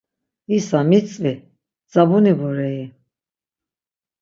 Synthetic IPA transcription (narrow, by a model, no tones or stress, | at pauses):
isamit͡sʼvi | d͡zabunibɔɾɛi